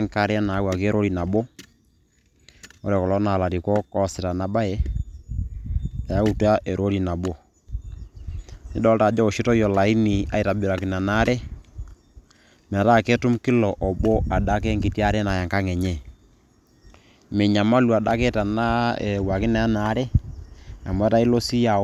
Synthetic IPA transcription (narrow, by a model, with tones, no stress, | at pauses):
ŋka˦ɾɛ˦a˦na˨˦wa˨ke˦ɾʔo˦ɾi˨na˨bo˦ | ɔ̰˦ɾɛ˨kɔ˨lɔ˦na˨la˨ti˨kɔ˦kɔ˦sɪ˨ta˨na˨ba˦jɛ˦ | a˨ja˦u˦˨ta˦ʔe˨ɾʔo˦ɾi˨na˨bo˦ | ni˦dɔ˦lta˨d͡ʒɔ˦o˨ʃi˦tɔ˦jɔ˨la˨i˦ni˨a̰˨˦i˨ta˨bi˨ɾa˨ki˨na˨na˦ɾɛ˦ | m˨a˨ta˦˨ke˦tʊ˦mkɪ˦lɔ˨ʔɔ˨bo˦a˨da˦ke˦ŋɡi˨ti˦a˦ɾɛ˦na˨ja˨ŋka˦ŋɛ˨ɲɛ˦˨ | me˨ɲa˨ma˦lu˨a˨da˦ke˦ta˨na˦e˨wa˨kɪ˦na˨a˦na˨˦ɾɛ˦ | a˨mwɛ˦ta˦i˦lo˦si˦ja˨